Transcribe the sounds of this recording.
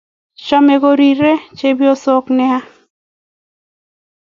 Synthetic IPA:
t͡ʃɔ˦me˨ɡo˦ɾi˨ɾe˦t͡ʃe˦bi˦o˦so˦knɛ˦a˦

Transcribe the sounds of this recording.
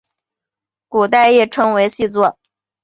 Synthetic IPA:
ku˨˩t̪a˥˧ɪjɛ˥˩ʈ͡ʂʰɤ˥ŋwe˧˥ɪɕi˥˧t͡swɔ˥˩

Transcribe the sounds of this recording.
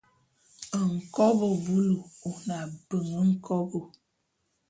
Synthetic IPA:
ə˨ŋ̩˨kɔ˦bə˨bu˦lu˨u˨na˨bə˨ŋə˦ŋ̩˦kʰɔ˦bo˨

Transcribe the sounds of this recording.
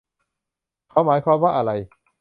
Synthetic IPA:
kʰa˨˦maː˨˦jkʰwaː˧mwaː˥˩ʔa˧ɾa˧j

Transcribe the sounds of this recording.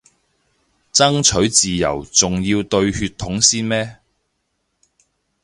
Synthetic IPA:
t͡sɐ˥ŋt͡ʃʰɵ˨˥ɥt͡siː˨jɐ̰˨˩wt͡sʊ˨ŋjiː˧wt̪ɵ˧ɥhyː˧t̪ʰːʊ˨˥ŋsiː˥nmɛː˥

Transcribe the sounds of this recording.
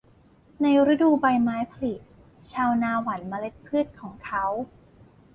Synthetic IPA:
na˧jɾa˦˥duː˧ba˧jmaː˦˥jpʰa˧li˨˩t̪̚ | t͡ɕʰaː˧wnaː˧wa˩˦nma˧le˦˥t̪̚pʰɯː˥˩t̪̚kʰɔː˩˦ŋkʰa˦˥w

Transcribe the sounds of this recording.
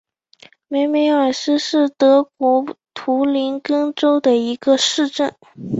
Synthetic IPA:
me˧˥ɪme˧˥ɪa˨˩ʂɻ̩˥˧ʂɻ̩˥˩t̪ɤ˧˥kwɔ˧˥t̪ʰu˧˥li˧˥nkɤ˥ŋʈ͡ʂo˥ʊd̪ə˨i˧˥ɡə˧ʂɻ̩˥˧ʈ͡ʂə˥˩n

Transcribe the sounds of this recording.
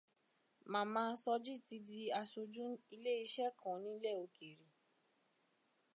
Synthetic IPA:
mã˨˦mãː˧˦sɔ˧d͡ʒi˦˨ti˧di˧˦a˧so˧d͡ʒũ˦i˧le˦i˧˦ʃɛ˦kʰã˨nĩ˨˦lɛ˦˨o˧ke˨ɾi˨

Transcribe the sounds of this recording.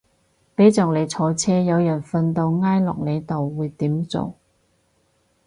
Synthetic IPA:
pe˨˥jt͡sɔː˨˩ŋ̚le˨˧jt͡sʰɔː˨˧t͡sʰɛː˥jɐ˨˧wjœ˨˩nfɐ˧nt̪o˧wŋaː˥jlɔ̰ː˨k̚ne˨˧jt̪o˨wːuː˨˧jt̪iː˨˥mt͡so̰˨w

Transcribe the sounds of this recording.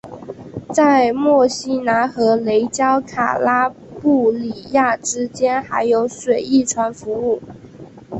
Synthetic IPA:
t͡sa˥˧ɪmwɔ˥˩ɕi˥na˧˥nxɤ˧˥le˧˥ɪt͡ɕjɑ˥ʊkʰa̰˨˩la˥ | pu˥˩li˨˩ja˥˩ʈ͡ʂɻ̩˥t͡ɕjɛ˥nxa˧˥ɪjo˧˥ʊʂwe˨˩ɪi˥˩ʈ͡ʂʰwa˧˥nfu˧˥u˥˩

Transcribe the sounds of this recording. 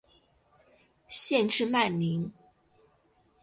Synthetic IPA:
ɕjɛ˥˧nʈ͡ʂɻ̩˥˧ma˥˩nli˧˥ŋ

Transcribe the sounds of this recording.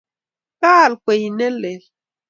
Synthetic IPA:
ka˦˨lkwe˨jnɛ˦le˨l

